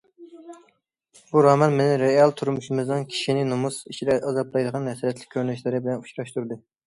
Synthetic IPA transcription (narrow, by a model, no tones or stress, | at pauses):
buɾɑːmɑnmɪnɪɾeɑlˠt̪ʰuɾmuʃɪmɨznɨŋkʲʰi̥ʃinɪnumusiʃʰid̪ɛʔɑzɑblˠɑjd̪əʁɑnɦɛsɾɛt̪lɪ̥kʲʰːøɾnyʃlɪɾɪbɪlɛnuʃɾɑʃt̪uɾd̪ɨ